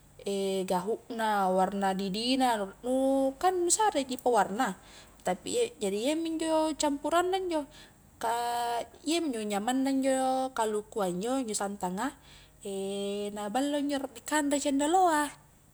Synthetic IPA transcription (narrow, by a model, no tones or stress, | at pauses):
ɛɡaɦuʔnawarnadidinanukanːusaɾed͡ʒipawarna | t̪apḭd͡ʒadijamiɲd͡ʒɔt͡ʃampuɾanːaiɲd͡ʒɔ | ka | iamiɲd͡ʒoɲamanːaiɲd͡ʒɔkalukuaiɲd͡ʒɔiɲd͡ʒɔsant̪aŋa | enabalːoiɲd͡ʒɔrdikandat͡ʃandaloa